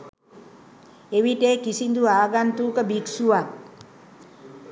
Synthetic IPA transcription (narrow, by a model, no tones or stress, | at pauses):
eʋiʈeːkisind̪uaːɡant̪uːkəbiksuʋak̚